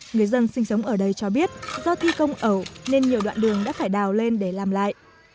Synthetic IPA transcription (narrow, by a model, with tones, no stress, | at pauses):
ŋɨ˨˩əjzə˧nsï˧ŋ̟sə˨˦wŋ͡mʔəː˧˩ɗə˧jt͡ɕɔ˧ɓi˦˥ət̚zɔ˧t̪ʰi˧kə˧wŋ͡mʔə˧˩wne˧nɲi˨˩əwɗwa̰ː˧˨nɗɨ˨˩əŋɗa̰ː˧˥faː˧˩jɗaː˨˩wle˧nɗe˧˩laː˨˩mla̰ː˧˨jʔ